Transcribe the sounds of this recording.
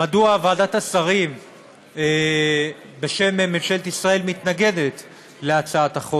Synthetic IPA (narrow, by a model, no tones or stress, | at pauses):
maduavad̪at̪asaʁim | e | be̞ʃe̞mememʃelt̪isʁae̞lmit̪naɡe̞d̪e̞t̪ | leat͡saat̪aχo